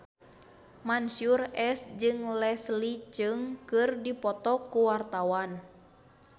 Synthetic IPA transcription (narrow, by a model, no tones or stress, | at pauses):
mansurɛsd͡ʒɨŋlɛslit͡ʃɨŋkɨrdipɔt̪ɔkuwart̪awan